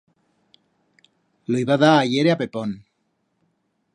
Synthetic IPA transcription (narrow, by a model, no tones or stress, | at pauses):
loiβaðaːʝeɾeape̞pon